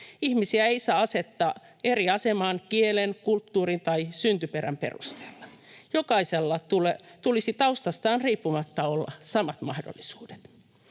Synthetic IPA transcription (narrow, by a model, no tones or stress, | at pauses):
ihmisiæeisɑːɑset̪ːɑː | eriɑsemɑːnkielenkult̪ːuːrint̪ɑisynt̪yperæ̰mpḛrṵst̪e̥ːlːɑ | jokɑiselːɑt̪ulet̪ulisit̪ɑust̪ɑst̪ɑːnriːpːumɑt̪ːɑolːɑ̰sɑmɑt̪mɑhdo̰lːisu̥ːd̥e̥t̪